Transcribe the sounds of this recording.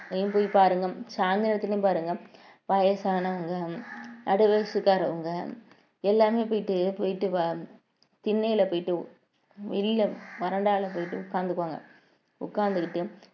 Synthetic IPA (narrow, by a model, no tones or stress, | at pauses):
jũmpoːjipaːɾɯŋɡɐsaːnd̪ɪnɐt̪ːɪlɐj̃mpaːɾɯŋɡɐ | ʋɐjɐsaːnɐʋɐŋɡɐɐɽɯʋɐsɯkːaːɾɐɐŋɡɐ | ɛlːaːmeːpoːjɪʈːɯpoːjɪʈːɯʋɐ | t̪ɪnːɐjɪlɐpoːjɪʈːɯ | ʋɪlːɐʋɐɾɐɳɖaːlɐpoːjɪʈːɯʊkːaːnd̪ɯkːɯʋaːŋɡɐ̰ | ʊkːaːnd̪ɯkɪʈːɯ